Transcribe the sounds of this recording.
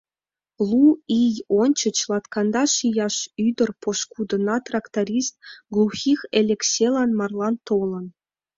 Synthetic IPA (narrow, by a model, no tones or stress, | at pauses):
luijonʲt͡ɕə̆t͡ɕlˠɑt̪kɑnd̪ɑʃijɑʃyd̪ərpoʃkud̪ə̆nɑt̪rɑkt̪ɑɾʲist̪̚ɡlˠuxʲixelʲeksʲelɑnmɑrlˠɑnt̪olə̆n